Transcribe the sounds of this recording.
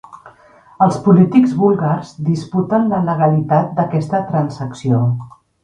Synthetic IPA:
əlˠspulit̪iɡzβulˠɣarzd̪isput̪ənlələɣ̞əlit̪at̪̚d̪əkɛst̪ət̪ɾənsəksio

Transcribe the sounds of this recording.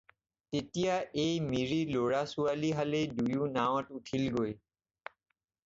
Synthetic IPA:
tetijaejmiɹiloɹasualiɦaledujunawɔtutʰilɡoj

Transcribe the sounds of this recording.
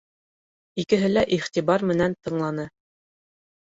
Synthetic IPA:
ikɘ̆ɦɘlæʔiχt̪ʲiβɑɾmɘ̆nænt̪ɤ̆ɴlˠɑnɤ

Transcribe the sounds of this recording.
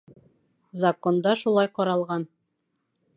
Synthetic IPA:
zɐko̞nd̪ɑʃulˠɑjqɒɾɑlˠʁɑn

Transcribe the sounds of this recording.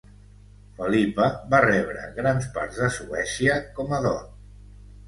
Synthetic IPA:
fəlipəβarɛβɾə̰ɣɾanspa̰ɾzðəsuɛsiəkɔməðɔ̰n

